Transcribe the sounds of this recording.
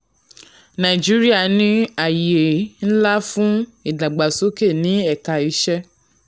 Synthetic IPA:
nã˨d͡ʒi˦ɾi˦a˦˨nĩ˧a˨je˨n̩˦la˦fũ˦i˨da˨ɡ͡ba˨so˨˦ke˦˨nĩ˨˦ɛ˦˨ka˨i˧˦ʃɛ˦

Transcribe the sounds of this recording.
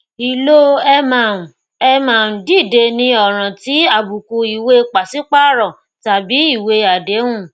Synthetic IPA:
i˨lo˦˧mã˨ | ɛ˧mã˨n̩˨di˦˨de˧nĩ˧ɔ˨ɾ̃ã˨ti˨˦a˨bu˨ku˧i˨we˧k͡pa˨si˦k͡pa˦ɾɔ̃˨ | ta˨bi˨˦i˦˨we˧a˨de˨˦ũ˦˨

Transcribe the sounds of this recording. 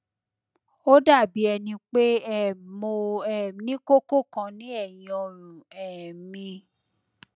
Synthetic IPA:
o˦da˦˨bi˨˦ɛ˧nĩ˧k͡pe˦ɛ˦˨mo˧ɛ˨nĩ˦ko˦ko˦˨kã˧nĩ˦ɛ˦˨jɔ̃˧ɾũ˨ɛ˨mĩ˧

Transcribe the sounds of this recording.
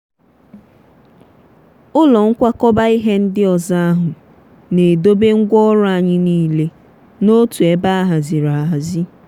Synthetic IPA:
ʊ˦lɔ˨ŋ̩˦kʷa˦kɔ˦ba˦i˦ɦe˦n̩˦dɪ˦ɔ˨za˦a˦ɦʊ˨ | ne˨do˦be˦ŋ̩˦ɡʷɔ˦ɾɔ˦a˨ɲɪ˦niː˦le˦ | no˦tu˨e˦ba˦a˦ɦa˨zi˨ɾa˨a˨ɦa˨zi˦

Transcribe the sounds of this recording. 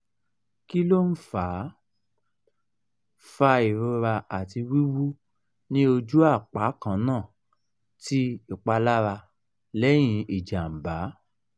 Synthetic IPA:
ki˦lo˦n̩˦faː˨˦ | fa˧i˨ɾo˧ɾa˧a˨ti˧wi˦wu˦ | nĩ˦o˧d͡ʒu˦a˦˨k͡pa˨˦kã˦˧nãː˦˨ | ti˦i˨k͡pa˧la˦ɾa˧ | lɛ˦j̃ĩ˧i˨d͡ʒa˨m̩˨ba˨˦

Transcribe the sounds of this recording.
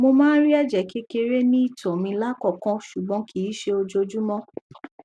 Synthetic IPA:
mo˧mãː˦ɾi˦ɛ˦˨d͡ʒɛ˨ke˦ke˧ɾe˦nĩ˦i˦˨tɔ˨mĩ˧la˦kɔ˦˨kɔ̃˦ʃu˨ɡ͡bɔ̃˨˦kʰi˨˦ʃe˧o˧d͡ʒo˧d͡ʒu˦mɔ̃˦

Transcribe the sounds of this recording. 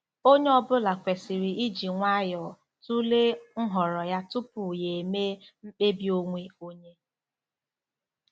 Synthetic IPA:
o˦ɲe˦ɔ˦bʊ˦la˨kʷe˨si˨ɾi˨i˦d͡ʒi˨ŋʷa˦jɔ˨ | tu˦le˦ŋ̩˦ɦɔ˨ɾɔ˨ja˦tu˦pʊ˨je˨me˦m̩˦k͡pe˦bi˦o˦ŋʷe˦o˦ɲe˦

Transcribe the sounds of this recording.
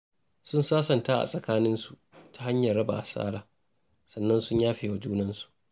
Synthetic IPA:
sʊ˦nsaː˦sɐ˨ntaː˦ʔa̰˨sʼɐ˨kaː˦nɪ˦nsu˨ʔtʰḁ˦ha˦ɲjɐ˨rːɐ˦ba̰ː˨ʔa˨sʼa̰ː˦ɽaː˨ | sɐ˨nːɐ˦nsʊ˦ɲjaː˦ɸeː˨wa˦d͡ʒuː˦nɐ˦nsu̥˨ʔ

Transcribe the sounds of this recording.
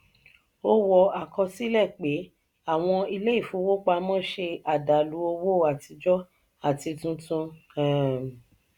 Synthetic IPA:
o˧wɔ˧˨a˨kɔ˧si˦lɛ˦˨k͡pe˨˦ | a˦˨w̃ɔ̃˧i˧le˦i˦˨fũ˨˦wo˦k͡pa˧mɔ̃˦˨ʃe˧a˨da˨lu˨˦o˧wo˦˨a˨ti˧d͡ʒɔ˦ | a˦˨ti˧tũ˦tũ˧kɛ̃˨

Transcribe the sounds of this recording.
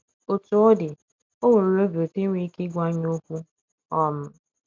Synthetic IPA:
o˨tu˨˦ɔ˦dɪ˨ | o˦wo˨ɾo˨ɾo˦bo˨ti˦ŋʷi˦ki˦ɡʷa˦ɲ˦o˦kʷu˦ | ɔ˦m̩˦

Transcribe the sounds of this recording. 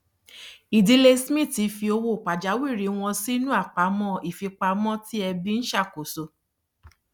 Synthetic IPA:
i˨di˧˦le˧smĩ˦˨ti˨˦fi˧o˧wo˦˨k͡pa˨d͡ʒa˨˦wi˦˨ɾi˨˦w̃ɔ̃˧si˦nũ˦a˦˨k͡pa˨˦mɔ̃˦i˦˨fi˧k͡pa˧mɔ̃˦ti˦ɛ˧bi˦n̩˦ʃa˦˨ko˨so˧

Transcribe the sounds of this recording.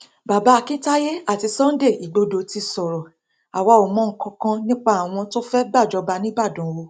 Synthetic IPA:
ba˨ba˨˦˧kĩ˦ta˦je˦a˦˨ti˧sɔ̃˦n̩˦de˦˨i˨ɡ͡bo˧do˧ti˧sɔ˨ɾɔ˨ | a˨wa˧˦o˨mɔ̃˨˦ŋ̩˨kã˧kã˧nĩ˦k͡pa˦˨a˨w̃ɔ̃˧to˦fɛ˦ba˦˨d͡ʒɔ˧˦ba˧nĩ˦ba˦˨dũ˨˦wo˧

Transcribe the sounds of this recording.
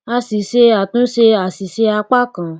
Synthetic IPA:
a˧si˨ʃe˧a˨tũ˨˦ʃe˧a˨si˨se˧a˧k͡pa˦kã˨

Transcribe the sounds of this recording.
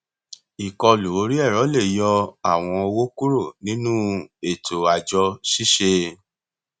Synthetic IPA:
i˨kɔ˧lu˨o˨˦ɾi˦ɛ˦˨ɾɔ˨˦le˦˨jɔ˧a˦˨w̃ɔ̃˧o˧wo˦ku˦ɾo˦˨nĩ˦nũ˦e˨tʰo˨a˨d͡ʒɔ˧ʃi˦ʃe˧

